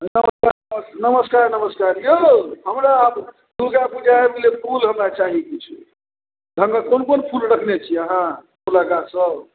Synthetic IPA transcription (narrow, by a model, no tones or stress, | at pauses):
nəməskaɾnəməsnəməskaɾnəməskaɾjəɦəmɾab | d̪uɡabud͡ʒʱaemilepʰulɦəmɾat͡ʃaɦikit͡ʃʰḭ | d̪ʱəŋɡəkonkonpʰulɾəkʰnet͡ʃʰiəɦã | oləɡasə